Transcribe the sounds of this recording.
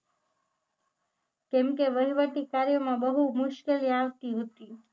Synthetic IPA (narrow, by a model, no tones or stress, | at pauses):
kɛ̃mkeʋəɦiʋəʈikaɾjəmãbəɦumʊʃkeliaʋt̪iɦot̪i